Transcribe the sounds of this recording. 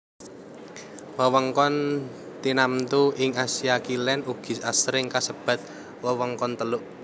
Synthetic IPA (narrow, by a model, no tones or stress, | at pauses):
wəwəŋkɔn | t̪inamt̪uʔɪŋasiakilɛnuɡ̥i̤sasɾɪŋkasəb̥ä̤t̪̚ | wəwəŋkɔnt̪əlʊʔ